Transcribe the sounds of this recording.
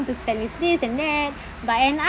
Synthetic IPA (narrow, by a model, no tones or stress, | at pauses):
mtuspɛ̃nwifdisɛ̃ndɛt̚ | batɛ̃na